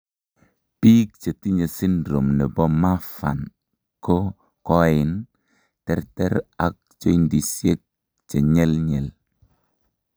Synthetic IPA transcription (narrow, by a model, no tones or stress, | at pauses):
piːk̚t͡ʃetiɲesindɾomnɛbɔmafa̰n | ko | kɔɪn | tɛɾtɛɾak̚t͡ʃoindisjek̚ | t͡ʃeɲɛlɲɛl